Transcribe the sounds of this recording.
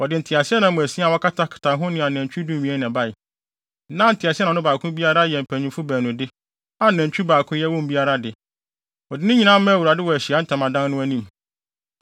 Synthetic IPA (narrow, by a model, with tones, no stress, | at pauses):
wɔ˨dɪ˨n̩˨tʰɪ˨a˨si˦ɛ˦nã˨˦˨mʊ̃˨æ˨sĩ˦a˨wɔ˦kʰa˦tʰa˦kʰɪ̥˨tʰã˨nɦʊ̃˦nɪ̃˦˨a˨nɛ̃˨ɲ˨t͡ɕᶣu˦dũ˦m˨mĩ˨ɛ˦nɛ̃˨ba˦˨ɪ˨ | nã˦n̩˨tʰɪ˨a˨si˦nã˨˦ʊ̃˦baː˨kʰʊ̃˦bi˦a˦ɾa˦jɛ˨m̩˨pʰæ˨ɲũ˨fʊ˦bæː˨nʊ̃˨dɪ˦ | a˨næ̃˨ɲ˨t͡ɕᶣu˦baː˨kʰʊ̃˦jɛ˦wɔ̃˦m˨bi˦a˦ɾa˦dɪ˨ | ɔ˨dɪ˦nɪ̃˦ɲĩ˨˦nã˦mɛ̃˦wu˨ɾa˨dɪ˦wɔ˨æ˨ɕi˨a˨˦n̩˦tʰã˨mã˨dã˦nnʊ̃˦æ˦nĩ˦m